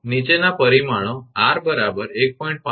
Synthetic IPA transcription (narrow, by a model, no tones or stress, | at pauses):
nit͡ʃenapəɾimaɭ̃oaɾbəɾabəɾek̚pɔĩɳʈ̚pa